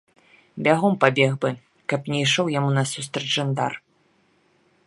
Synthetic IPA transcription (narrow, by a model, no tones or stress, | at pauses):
bʲaɣɔmpabʲɛɣbɨ | kɐpnʲɛjʂɔwjamunɐsust̪ɾɐd͡ʒʐand̪a̰r